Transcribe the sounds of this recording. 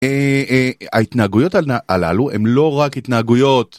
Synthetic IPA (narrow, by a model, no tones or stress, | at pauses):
e | ait̪naːɡujo̞taaala̰luʔe̞̰mlo̞ʁakit̪naːɡujo̞t̪